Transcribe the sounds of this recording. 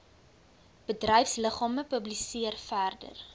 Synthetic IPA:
b̥ədrəjfsləχɑːməpɵblisiərfærdə̰r

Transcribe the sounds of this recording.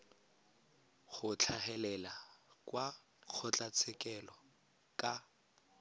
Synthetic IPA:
χʊt͡ɬʰaχɛlɛlakwa | k͡xʰʊt͡ɬʼat͡sʰɛkɛlɔ | kʼa

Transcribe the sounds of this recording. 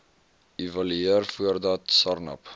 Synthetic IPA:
ivɐlyiərfuərdɐtsɐrnɐ̰p

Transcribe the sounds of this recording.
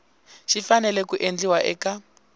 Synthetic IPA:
ʃifanɛlɛkuʔend͡ɮiwaʔɛ̰ka

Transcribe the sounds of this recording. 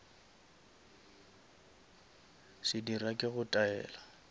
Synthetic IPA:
sɪdirakʼɪɣʊtʼaɛ̰ːla

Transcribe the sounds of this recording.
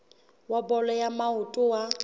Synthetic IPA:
wabɔlɔjamaʊtʼʊwa

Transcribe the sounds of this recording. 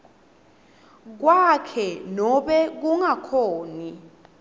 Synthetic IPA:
k̬wakʰɛnɔɓɛk̬uŋakʰoːni

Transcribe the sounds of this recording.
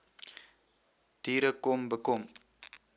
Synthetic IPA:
tiɾəkombəkɔm

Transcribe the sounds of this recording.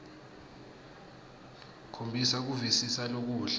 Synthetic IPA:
kʰombʱisak̬uvisisalok̬uːɬḁ

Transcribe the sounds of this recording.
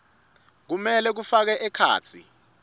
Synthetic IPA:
k̬umɛlɛk̬ufak̬ɛʔɛkʰa̰ːt͡sʰḭ

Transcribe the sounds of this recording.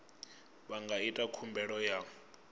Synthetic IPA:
βaŋɡaitʼakʰumbʱɛɺɔja

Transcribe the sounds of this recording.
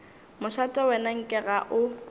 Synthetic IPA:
mʊʃatʼɛwɛnaŋ̩kʼɪɣaʔʊ

